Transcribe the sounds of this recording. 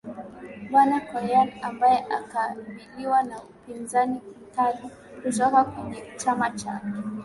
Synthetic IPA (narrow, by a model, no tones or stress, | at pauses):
ɓwanakɔɾɛanambajɛʔakaɓiliwanaupinzanikitalu | kuzɔkakuʄit͡ʃamat͡ʃa̰kɔ